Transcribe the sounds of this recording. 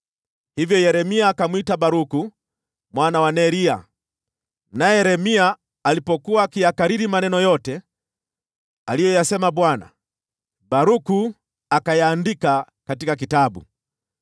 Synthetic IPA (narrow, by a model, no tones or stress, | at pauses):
hivjɔjɛɾɛmiaːkamwitabaɾuku | mwanawanɛɾia̰ | najɛɛɾɛmiaː | lipɔkuwakijakaɾiɾimanɛnɔjɔtɛ | alijɔjasɛmaɓwana̰ | baɾuku | akajaːndika | katikak̬itaɓṵ